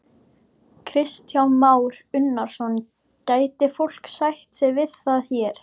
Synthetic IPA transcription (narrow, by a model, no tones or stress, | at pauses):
kʰɾɪst̪jawmaːwɾʏnːaɾ̥sɔn | caːjt̪ɪfol̥ksajht̪sɪvɪðθaðçɛɾ̥